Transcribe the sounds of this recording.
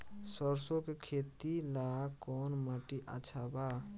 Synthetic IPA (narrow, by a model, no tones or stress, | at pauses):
səɾsokekʰet̪ilakɔnmaʈiʔa̰t͡ʃʰaba